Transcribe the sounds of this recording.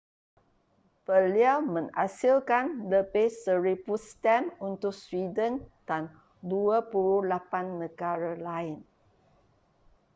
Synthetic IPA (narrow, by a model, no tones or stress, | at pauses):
pəliawmə̃ŋasilkanləbɛsəɹipust̪ɛmunt̪ʊk̚swidəndan | duəpuɾulapanːə̃ɡaɾalaɪn